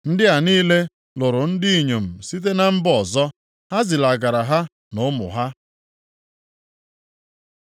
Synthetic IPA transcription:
n̩˦dɪ˦a˨niː˦le˦ | lʊ˨ɾʊ˨n̩˦dɪ˦i˨ɲo˨m̩˨si˦t̬e˦na˦m̩˦bɔ˨zɔ˦ | ɦa˦zɪ˨la˨ɡa˨ɾa˨ɦa˦ | nʊ˦mʊ̰˨ɦa˦

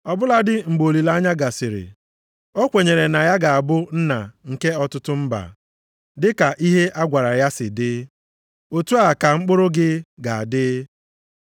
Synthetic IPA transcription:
ɔ˨bʊ˦la˦dɪ˦ŋ͡m̩˨ɡ͡bo˨li˨la˦ɲa˦ɡa˨sɪ˨ɾɪ̰˨ | ɔ˦kʷe˨ɲe˨ɾe˨na˨ja˦ɡa˨a˨bʊ˦n̩˦na˨ŋ̩˨ke˦ɔ˦tʊ˦tʊ˦m̩˦ba̰˨ | dɪ˦ka˨ʔi˦ɦe˦ʔa˦ɡʷa˨ɾa˨ja˦sɪ˨dɪ˦ | o˦tu˦a˨ka˨ŋ͡m̩˦k͡pʊ˦ɾʊ˦ɡɪ˦ɡa˨a˨dɪ˦

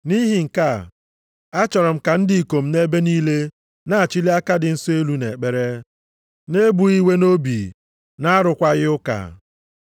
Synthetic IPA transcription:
ni˦ɦi˨ŋ̩˨ka˦˨ | a˦t͡ʃɔ˨ɾɔ˨m̩˦ka˨n̩˦dɪ˨i˨ko˨m̩˦ne˦be˦niː˦le˦ | na˦˨a˨t͡ʃi˦li˦a˦ka˦dɪ˨n̩˦so˦e˦lu˦ne˨k͡pe˦ɾe˦ | ne˦bu˨i˦we˦no˦bi˨ | na˦a˦ɾʊ˨kʷa˦ɣɪ˦ʊ˦ka̰˨

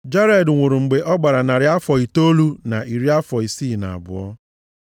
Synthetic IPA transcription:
d͡ʒa˦ɾɛ˨dŋʷʊ˨ɾʊ˨ŋ͡m̩˨ɡ͡be˨ʔɔ˦ɡ͡ba˨ɾa˨na˨ɾɪ˨a˦fɔ˨i˨to˦lu˦na˨ʔi˨ɾi˦a˦fɔ˨i˨siː˦˨na̰˨a̰˨bʊ̰˨ɔ̰˦

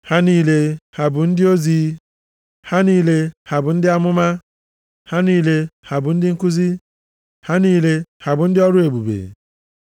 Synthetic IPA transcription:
ha˦niː˦le˦ha˨bʊ˨n̩˦dɪ˦o˦zi˦ | ha˦niː˦le˦ha˨bʊ˨n̩˦dɪ˦a˦mʊ˦ma˦ | ha˦niː˦le˦ha˨bʊ˨n̩˦dɪ˦ŋ̩˦ku˦zi˦ | ha˦niː˦le˦ha˨bʊ˨n̩˦dɪ˦ɔ˦ɾʊ˦e˨bu˨bḛ˨

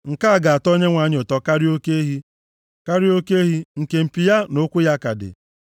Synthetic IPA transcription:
ŋ̩˨ka˦a˨ɡa˨a˨tɔ˦ɲe˦ŋʷa˨ɲ˨ʊ˨tɔ˦ka˦ɾi˦o˦ke˦ɦi˦ | ka˦ɾi˦o˦ke˦ɦi˦ŋ̩˨ke˨m̩˨pi˨ja˦nʊ˦kʷʊ˦ja˦ka˨dɪ̰˨

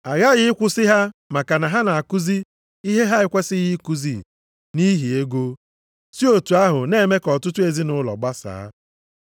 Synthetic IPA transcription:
a˨ɣa˦ɣɪ˦ɪ˦kʷʊ˦sɪ˦ɦa˦ma˨ka˨na˨ɦa˦na˨a˨ku˦zi˦ | i˦ɦe˦ɦa˦ɪ˦kʷe˦sɪ˦ɣi˦ku˦zi˦˨ | ni˦ɦi˨e˦ɡo˦ | si˦o˨tu˨a˦ɦʊ˨ne˦˨me˦kɔ˨tʊ˦tʊ˦e˨zi˦nʊ˦lɔ̰˨ɡ͡ba˦sa̰ː˨˦

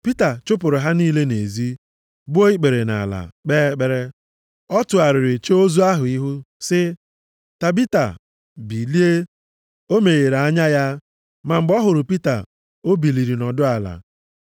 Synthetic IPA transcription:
pi˦ta˨t͡ʃʊ˦pʊ˨ɾʊ˨ɦa˦niː˦le˦ne˨zi˦ | ɡ͡bʊ˦o˦i˦k͡pe˨ɾe˨na̰˨la̰˨k͡peː˦k͡pe˦ɾe˦ | ɔ˦tʊ˨a˨ɾɪ˨ɾɪ˨t͡ʃe˦o˦zu˦a˦ɦʊ˨i˦ɦʊ˦ | sɪ˦ | ta˨bi˦ta̰˨ | bi˨li˦e˦ | o˦me˨ɣe˨ɾa˦ɲa˦ja˦ | ma˨m̩˨ɡ͡bɔ˦ɦʊ˨ɾʊ˨pi˦ta̰˨ | o˦bi˨li˨ɾi˨nɔ˨dʊ˦a˨la̰˨

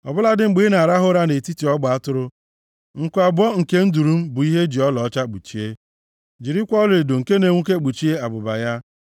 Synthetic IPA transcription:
ɔ˨bʊ˦la˦dɪ˦ŋ͡m̩˨ɡ͡biː˨˦na˨a˨ɾa˦ɦʊ˦ɾa˦ne˨ti˦ti˨ɔ˦ɡ͡ba˨a˦tʊ˦ɾʊ˦ | ŋ̩˨kʷa˨bɔ˦ŋ̩˨ke˦n̩˦du˨ɾu˦m̩˦bʊ˨i˦ɦe˦d͡ʒi˨ɔ˦lɔ˨ɔ˦t͡ʃa˦k͡pu˨t͡ʃi˦e˦ | d͡ʒi˨ɾi˦kʷɔ˦lɪ˨ɾdo˨ŋ̩˨ke˦ne˨ŋʷu˦ke˦ɡ͡bu˨t͡ʃi˦e˦a˨bʊ˨ba̰˨ja˦

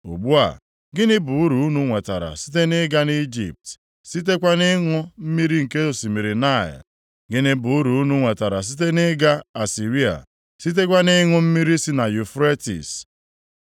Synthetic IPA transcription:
o̰˨ɡ͡bu˦a̰˨ | ɡɪ˦nɪ˦bʊ˨u˦ɾu˨u˦nu˦ŋʷe˨ta̰˨ɾa̰˨si̥˦t̬e˦nɪ˦ɡa˦ni˦d͡ʒḭ˨p̚t | si˦t̬e˦kʷa˦nɪ˦ŋʊ˦m̩˦mi˦ɾi˦ŋ̩˨ke˦o˨si˨mi˨ɾi˨na˦˨ɪ̰˨ | ɡɪ˦nɪ˦bʊ˨u˦ɾu˨u˦nu˦ŋʷe˨ta˨ɾa˨s̬i˦t̬e˦nɪ˦ɡa˦a˨si˨ɾi˦a̰˨ | si˦t̬e˦kʷa˦nɪ˦ŋʊ˦m̩˦mi˦ɾi˦si˦na˨ju˨fɾe˦tḭ˨s

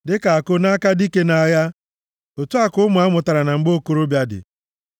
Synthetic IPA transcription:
dɪ˦ka˨a˨kʊ˦na˦ka˦di˦ke˦na˨ja˦ | o˨tu˦a˦kʊ˦mʊ˨a˦mʊ˨ta˨ɾa˨na˨ŋ͡m̩˨ɡ͡bo˦ko˨ɾo˦bja˦dɪ̰˨

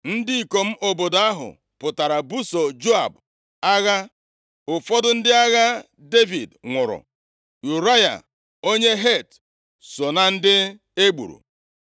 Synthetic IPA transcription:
n̩˦dɪ˦i˨ko˨m̩˦ʔo˨bo˨da˦ɦʊ̰˨ | pʊ˨ta˨ɾa˨bu˦so˨d͡ʒo˦a˨b | a˦ɣa˦ | ʊ˨fɔ˦dʊ˦n̩˦dɪ˦a˦ɣa˦ | de˦vi˨dŋʷʊ˨ɾʊ̰˨ | ju˨ɾa˦ja̰˨ | o˦ɲe˦ɦe˦˨t | so˨na˨n̩˦dɪ˦ | e˦ɡ͡bṵ˨ɾṵ˨

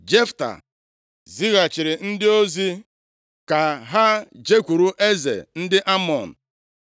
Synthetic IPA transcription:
d͡ʒe˦fta̰˨ | zi˦ɣa˨t͡ʃɪ˨ɾɪ˨n̩˦dɪ˦o˦zi˦ | ka˨ɦa˦d͡ʒe˦kʷu˨ɾu˦ʔe˦zḛ˨n̩˦dɪ˦ʔa˦mɔ˨n̩˨

